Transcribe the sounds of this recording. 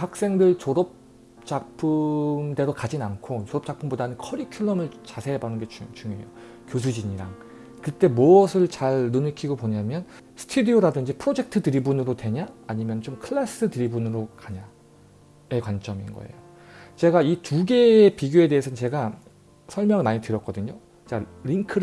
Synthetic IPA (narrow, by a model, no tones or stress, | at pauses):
hak̚s͈e̞ŋdɯɭt͡ɕoɾʌp̚ | t͡ɕ͈ak̚pʰɯmde̞ɾokad͡ʑinankʰot͡ɕoɾʌp̚t͡ɕ͈ak̚pʰɯmbodanɯnkʰʌɾikʰjuɭːʌmɯɭt͡ɕasʰe̞ebanɯnɡe̞t͡ɕt͡ɕuŋjojo | kjos̬ʰud͡ʑiɲiɾa̰ŋ | kɯt͈e̞moʌsʰɯɭt͡ɕaɭːunikʰiɡopoɲamjʌn | sʰɯ̥tʰudioɾadɯnd͡ʑipʰɯɾod͡ʑe̞k̚tʰɯtɯɾibunɯɾotwe̞ɲaːɲimjʌnt͡ɕomkʰɯɭːas͈ɯtɯɾibunɯɾokaɲa | e̞kwant͡ɕ͈ʌmḭnɡʌ̰ḛjo | t͡ɕe̞ɡaituɡe̞ːpiɡjoe̞de̞ːsʰʌt͡ɕe̞ɡa | sʰʌɭmjʌŋɯɭmaɲitɯɾjʌk͈̚ʌdɯɲo | t͡ɕeɡɾiŋkʰɯɾ